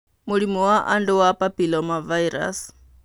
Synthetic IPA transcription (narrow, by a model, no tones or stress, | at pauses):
muɺimuwaʔanduwapapilɔmavaiɾa̰s